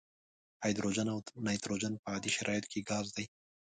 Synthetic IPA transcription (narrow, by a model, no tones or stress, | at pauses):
ajd̪ɾod͡ʒanawnajt̪ɾod͡ʒanpəad̪iʃɪɾʔɑjɪt̪kʰiɡɑːzd̪ɐj